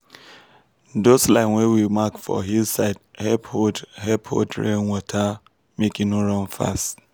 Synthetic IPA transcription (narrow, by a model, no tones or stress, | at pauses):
doslaɪnwewimakfɔ̰ɦizsaɪdhɛphodhɛpho̰dɹḛ̃nwɔtʰa | mekĩnoɹɔ̃nfa̰st